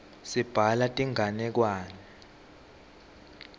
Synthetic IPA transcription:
sib̥ʱalatʼiŋʱanɛk̬waːnɛ

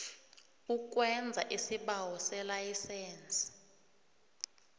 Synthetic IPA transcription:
uk̬wɛnd͡zʱa̰ʔisiɓawɔsɛlajisɛːnt͡sʼi̥

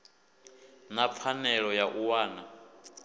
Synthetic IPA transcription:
nap̪fʰanɛɺɔjaʔuwaːna

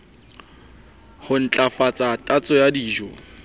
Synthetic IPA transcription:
hʊn̩t͡ɬʼafat͡sʼatʼat͡sʼɔjadiːʒɔ

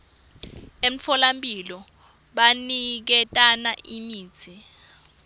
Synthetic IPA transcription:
em̩t͡fʰɔlampʼilɔ | ɓanik̬ɛtʼanaʔimi̥ːt͡sʰi

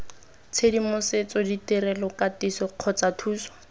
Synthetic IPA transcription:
t͡sʰedimʊset͡sɔditirɛlɔkatisɔq͡χʰɔt͡satʰuːsɔ̥

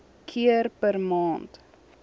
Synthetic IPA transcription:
kʰiərpərmɑːnt

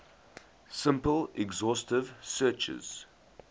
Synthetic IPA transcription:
sɪ̃mpəlɛɡzɔˑstɪvsɜˑt͡ʃɪ̰z̥

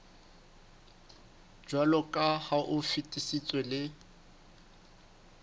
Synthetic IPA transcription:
d͡ʒwalɔkʼahaʔʊfitʼisit͡sʼwɛlɪ

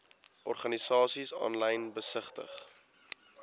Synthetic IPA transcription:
ʔɔrχɐnisɑːsisɔ̰nlɐjnbəsəχtə̰χ

